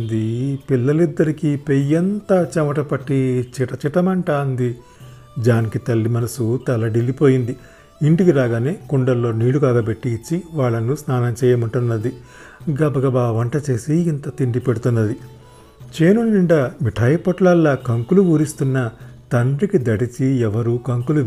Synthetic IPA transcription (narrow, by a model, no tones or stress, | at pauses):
nd̪ipilːɐlid̪ːɐɾikipejɐnt̪ɐt͡ʃɐmɐʈɐpɐʈːit͡ʃiʈɐt͡ʃiʈɐmɐɳʈaːɐnd̪i | d͡ʒaːnikit̪ɐlːimɐnɐsut̪ɐlɐɖilipo̞ːjind̪i | iɳʈikiɾaːɡaːneːkuɳɖɐɾːo̞ːniːɽukaːɡɐbe̞ʈːiːt͡ʃːiʋaːɭːɐnusnaːnɐmt͡ʃɛːjɐmɐɳʈunːɐd̪i | ɡɐbɐɡɐbaːʋɐɳʈɐt͡ʃe̞ːsiːnt̪ɐt̪iɳɖipeɽut̪unːɐd̪i | t͡ʃeːnunːiɳɖɐmiʈʰɐjɐpɔʈlɐlːɐkɐŋkuluʋuːɾist̪unːɐt̪ɐɳɖɾikid̪ɐʈit͡ʃiɛʋɐɾuːkɐŋkulu